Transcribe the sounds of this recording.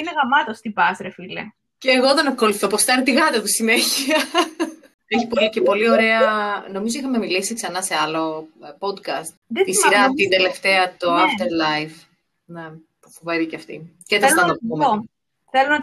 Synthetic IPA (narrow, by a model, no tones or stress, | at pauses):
ineɣɐmɐt̪ost̪ibɐzɾefilḛ | ceːɣoðenɐko̞luθopost̪ɐɾit̪iɣɐt̪ɐt̪usineçiɐ | eçipolicepo̞lio̞ɾe̞ɐno̞mizoixɐmemilisiksɐnɐse̞ɐlo̞po̞d̪kɐst̪d̪eisiɾɐt̪ind̪e̞le̞ft̪eɐt̪oɐft̪eɾlɐjf | ne | pufoveɾiceɐft̪ḭceesɐoumo | θelonɐ